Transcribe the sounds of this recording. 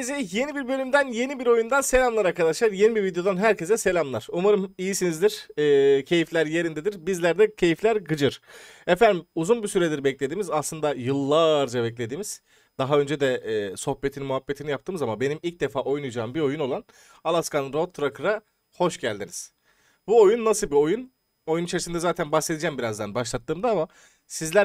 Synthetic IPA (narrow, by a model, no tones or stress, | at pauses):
ezɛje̞nibiɾbø̞lʲymd̪ænje̞nibiɾo̞jund̪anse̞lʲamlˠaɾaɾkʰad̪aʃlˠaɾje̞nibiɾvid̪ejo̞d̪anɦæɾce̞sɛse̞lʲamlˠaɾ̥umaɾɯmijisinizd̪iɾ̥ːcʰe̞jiflʲæɾje̞ɾind̪ed̪iɾbizlʲæɾd̪ɛcʰe̞jiflʲæɾɡɯd͡ʒɯɾ̥ɛfænd̪imuzunbisyɾed̪iɾbɛclʲe̞d̪iːmizaslˠɯnd̪ajɯlˠːaɾd͡ʒabɛclʲe̞d̪iːmiz̥ | d̪̥aɦaø̞nd͡ʒed̪ɛːso̞hpe̞t̪ʰinimuɦapːe̞t̪ʰinijap̚t̪ɯːmɯzamabe̞nimilʲc̚d̪e̞faːʔo̞jnujd͡ʒaːɯmbiɾo̞juno̞lˠan | alˠaskanɯɾot̪ʰːɾakʰɯɾa | ho̞ʃɟælʲd̪iniz̥ | buo̞junːasɯbio̞jun | o̞junit͡ʃʰe̞ɾisind̪ɛzaːt̪ʰænbahse̞d̪id͡ʒɛmbiɾazd̪anbaʃlˠat̪ːɯːmd̪aama | sizlʲæ